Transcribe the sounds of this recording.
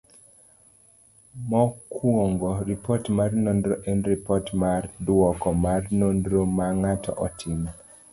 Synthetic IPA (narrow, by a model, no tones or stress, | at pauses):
mɔkwoŋɡɔɾipɔtmarnondɾoʔɛnɾipɔtmardwɔkɔmarnondɾomaŋatʰɔ̰ʔɔtʰɪma